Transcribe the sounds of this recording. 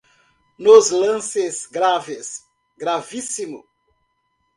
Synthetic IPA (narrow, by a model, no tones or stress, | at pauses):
nozlɐ̃sezɡɾaves | ɡɾavisimʊ̰